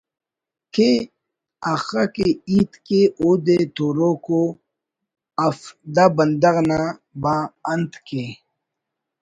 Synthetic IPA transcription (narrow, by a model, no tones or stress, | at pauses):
kʰe | axakeit̪keod̪et̪oɾoko | ɐfd̪abɐnd̪ɐɣnabaːɐnt̪ke